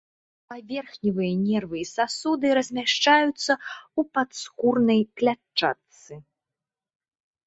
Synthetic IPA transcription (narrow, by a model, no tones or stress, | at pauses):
pavʲɛrxnʲivɨjɐnʲɛrvɨisasud̪ɨɾɐzʲmʲaʂt͡ʂajut̪sːɐupat̪skurnɐjklʲat͡ʂːa̰t̪sɨ